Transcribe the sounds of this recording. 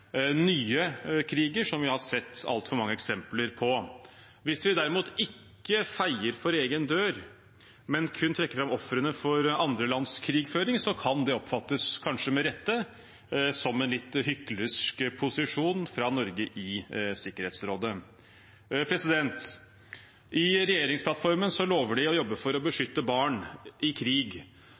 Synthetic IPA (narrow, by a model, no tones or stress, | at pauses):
nyːəkʰɾiːɡəʂɔmʋɪhɑsɛt̪ːɑ̰lt̪fɔɾmɑŋːəɛksɛmpləɾpʰɔ | ʋɪsʋɪd̪æɾɪmuːt̪ʰɪkːəfæɪəɾfɔɾeːɡənd̪øːɾ | mɛnkʰʉnt̪ʰɾɛkːəɾfɾɑmɔfɾənəfɔɾɑnd̪ɾəlɑnskʰɾiːɡføːɾɪŋsɔkʰɑnd̪ɛɔpfɑt̪ːəskʰɑnʂəmɛɾɛt̪ːə | sɔmɛnlɪt̪ːhʏkːlɪskpʰʊsɪʂuːnfɾɑnɔɾɡəʔɪsɪkːəɾheːt̪sɾoːd̪ə | pʰɾɛsɪd̪ɛnt̪ | ʔɪɾɛjeːɾɪŋspʰlɑt̪fɔɾmənsɔloːʋəɖɪɔjɔbːəfɔɾɔbəʂʏt̪ːəbɑːɳʔɪkʰɾiːɡ